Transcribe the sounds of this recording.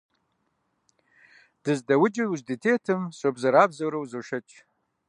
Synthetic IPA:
d̥ɨzdawʊd͡ʒɪuzditʰetʰɨmsʷobzaɾabzawɾowzoʂɐt͡ʃʼ

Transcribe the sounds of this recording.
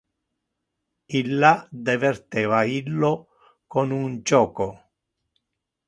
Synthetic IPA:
ilːad̪ɛvɛrt̪ɛːvailːo | konund͡ʒɔːko

